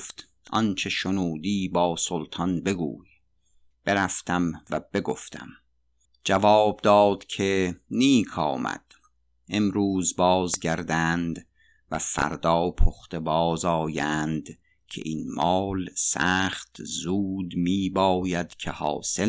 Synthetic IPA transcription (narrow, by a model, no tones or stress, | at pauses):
ft̪ | ʔɒnt͡ʃʰe̞ʃonuːd̪iːbɒːsolt̪ʰɒnbe̞ɡṵːj | b̥eɾæft̪ʰæmvæb̥eɡo̰ft̪ʰæ̰m | d͡ʒævɒːb̚d̪ɒːd̪̥kʲʰeniːkʰɒ̰ːmæ̰d̪̥ | ʔemɾuːzbɒːzɟæɾd̪ænd̪ | væ̰fæ̰ɾd̪ɒːpʰoχt̪ebɒːzɒːjænd̪ | cʰe̞̰ʔinmɒːlsæːχt̪zuːd̪miːbɒːjæd̪̥cʰehɒ̰ːse